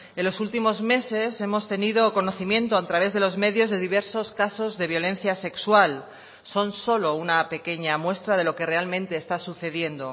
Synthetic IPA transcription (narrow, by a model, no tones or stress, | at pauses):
elo̞sult̪imo̞zme̞se̞se̞mo̞st̪e̞niðo̞ko̞no̞θimjẽ̞nt̪oat̪ɾaβ̞e̞zðe̞lo̞zme̞ðjo̞zðe̞ðiβe̞ɾso̞skaso̞zðe̞βjo̞lẽ̞n̟θjase̞kswal | so̞nso̞lo̞unape̞ke̞ɲamwe̞st̪ɾað̞e̞loke̞re̞almẽ̞nt̪e̞ːst̪asuθe̞ðje̞nd̪o̞